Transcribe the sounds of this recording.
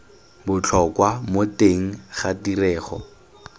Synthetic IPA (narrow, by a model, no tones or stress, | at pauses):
bʊt͡ɬʰɔkwamoteŋ̩χadirɛːχɔ̰